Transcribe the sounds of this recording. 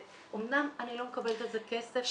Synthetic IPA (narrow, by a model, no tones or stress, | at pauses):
ʔomnamanilo̞mekabelt̪ezekesef